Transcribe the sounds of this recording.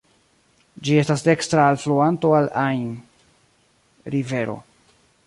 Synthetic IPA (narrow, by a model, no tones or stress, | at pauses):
d͡ʒie̞stasde̞kstɾaːlfluanto̞alajn | ɾive̞ɾo̞̰